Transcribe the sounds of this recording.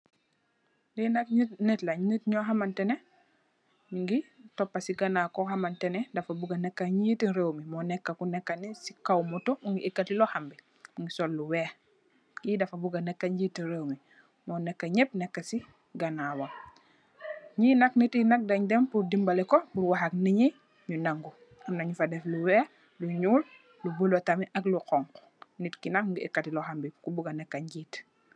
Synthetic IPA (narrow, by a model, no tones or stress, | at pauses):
dinaknitlaɲinitɲɔɦamantɛnɛ | niŋɡitɔpːasiɡanaːkɔhamantɛnɛdafabuɡanɛkːaɲitinɾewmimɔnɛkːakunɛkːanisi̥kawmɔtɔuŋɡiʔekːatilɔhambi | iŋɡisolːuwɛh | ɡidafabuɡanɛkːaɲɟiːtinɾewmi | mɔnɛkːaɲep̚nɛkːasi | ɡanawa | ɲinaknitinak̚daɲdɛmpuɾdimbalɛkɔpuɾwaɦak̚niɲi | ɲunaŋɡu | amnaɲufadɛfluwɛːh | luɲuːl | lubulotamiʔakluqɔŋkɔ̥ | nitkinakuŋɡiʔekːatilɔhambikubuɡanɛkːaɲɟit